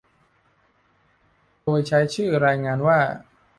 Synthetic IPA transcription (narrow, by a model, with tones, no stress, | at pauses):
doː˧jt͡ɕʰa˦˥jt͡ɕʰɯː˥˩ɾaː˧jŋaː˧nwaː˥˩